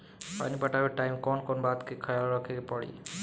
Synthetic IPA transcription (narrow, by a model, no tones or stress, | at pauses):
pa̰nibəʈaʋeʈaimkɔnkɔnbat̪kekʰəjalɾəkʰekepəɽḭ